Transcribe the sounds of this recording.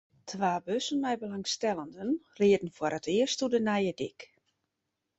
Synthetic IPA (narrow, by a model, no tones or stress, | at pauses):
tʰʋaːbøsənmɛjbəlaŋstɛlˠəndənrɪədən̩fwəɾətɪərstudənɛjədɪk